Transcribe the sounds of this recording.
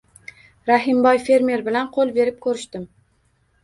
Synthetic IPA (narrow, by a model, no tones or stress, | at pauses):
ɾaɦɪmbɒjfe̞ɾme̞ɾbɪlanqʰolˠbe̞ɾɪp̚kʰɵɾɪʃt̪ɪm